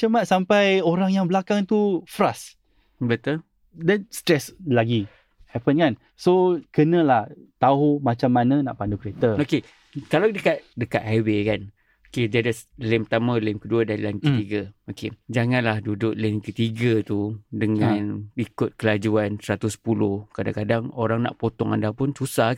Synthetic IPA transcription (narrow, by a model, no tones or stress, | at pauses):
t͡ʃəmaʔsampajoɾaŋjaŋbəlakaŋt̪ufɾas | bət̪ol | dɛnst̪ɾɛslaɡi | hɛpənkan | sokənə̃laht̪aɦumat͡ʃamːanə̃na̰ʔpandukɾet̪aoke | kaladəkat̪̚dəkat̪̚hawekan | okediadalɪmpt̪amãlɪmkəduadalankət̪iɡaoked͡ʒaŋãnlahdudʊʔ̚lenkət̪iɡat̪udəŋanikʊt̪̚kəlad͡ʒuansəɾat̪usə̥pulʊhkadaŋkadaŋoɾaŋna̰ʔpot̪ɔŋa̰ndahpʊnsusah